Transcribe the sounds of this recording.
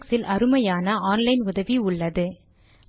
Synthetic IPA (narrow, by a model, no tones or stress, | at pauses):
ksɪlʔɐɾɯmɐjaːnɐʔaːnlɐɪnʊðɐʋiʊɭːɐðɯ